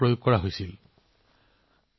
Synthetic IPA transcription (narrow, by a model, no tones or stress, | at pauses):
ɹojoɡkːɔɹaɦojsil